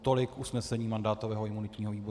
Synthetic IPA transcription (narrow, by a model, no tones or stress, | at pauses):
t̪o̞lɪkʔusnɛsɛɲiːmandaːt̪ovɛːɦoʔɪmunɪt̪ɲiːɦoviːbo